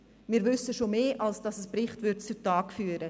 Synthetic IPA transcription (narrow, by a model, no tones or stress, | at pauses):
mɪːɾvʏsəʃomeːʔɑlsd̥ɑsəsprɪχtvʏɾtt͡sʊtɑːkfyːɾə